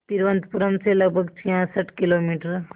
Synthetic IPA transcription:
t̪iɾʋə̃nt̪puɾəmselɐɡ̚bʱəɡt͡ʃʰiɦãsəʈʰkɪloːmiːʈəɾ

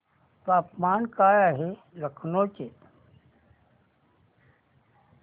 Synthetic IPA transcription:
p̪aːpmaːnkaːjaɦe | ləkʰnoːt͡ʃet̪

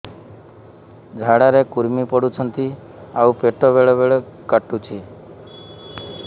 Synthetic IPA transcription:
d͡ʒʱaɽaɾekuɾmipɔɽut͡ʃʰənt̪i | aupeʈɔbeɭɔbeɭɔkəʈːut͡ʃʰi

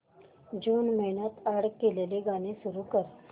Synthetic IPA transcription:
d͡ʒuːnməɦinat̪aːɽkeleleɡaːnẽsuɾukəɾ

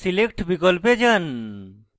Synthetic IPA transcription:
silek̚ʈbikɔlped͡ʒan

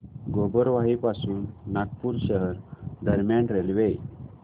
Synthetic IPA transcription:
ɡobəɾʋaɦipasuːnːak̚puːɾɕəɦəɾd̪ʱəɾmjaɳʈɾelʋej

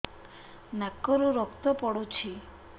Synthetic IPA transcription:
nakːɔɾuɾɔkt̪ɔpɔɽot͡ʃʰi

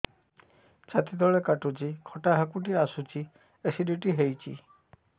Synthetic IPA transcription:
t͡ʃat̪id̪ɔɭekaʈut͡ʃikʰɔʈaɦakuʈiasut͡ʃi | esiɖiʈiɦejt͡ʃʰḭ

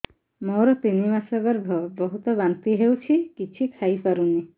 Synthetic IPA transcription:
mɔwɾɔt̪inimasɔɡɔɾbʱɔbɔɦut̪ɔbant̪iɦewt͡ʃʰikit͡ʃʰikʰajpaɾuni

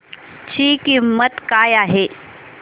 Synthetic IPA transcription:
t͡ɕiːkimːət̪kaːjaːɦe

